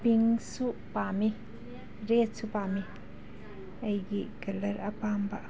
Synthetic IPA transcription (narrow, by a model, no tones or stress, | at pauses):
piŋsupami | ɾet̚supami | ɐjɡikɐlɐɾɐpambaʔ